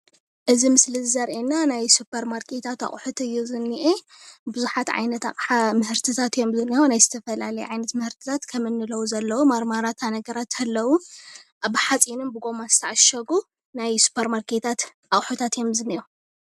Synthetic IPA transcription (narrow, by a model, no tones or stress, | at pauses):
ʔɨzimɨslɨzzɐɾʔenːanajsupʰːɐɾmaɾkʰet̪ʰat̪a̰χʼħut̪ɨjːuzɨnːiʔe | bɨzuħat̪ʕa̰jnɐt̪a̰χʼħamɨhɨɾt̪ʰɨt̪ʰat̪jo̞mzɨnionajzɨt̪ʰɐfɐlalɐjɛʕajnɐt̪mɨhɨɾt̪ʰɨ̥t̪ʰat̪kʰɐmɨnːɨlɐwuzɐlːɐwumaɾmaɾat̪ʰanɐɡɐɾat̪ʰɐlːɐwuʔaβħat͡sʼinɨnbɨɡo̞mazɨ̥t̪ʰaʕaʃɐɡu | najsu̥pʰɐɾmaɾkʰe̞t̪ʰat̪ | ʔaχʼħut̪ʰat̪jo̞mzɨniʔo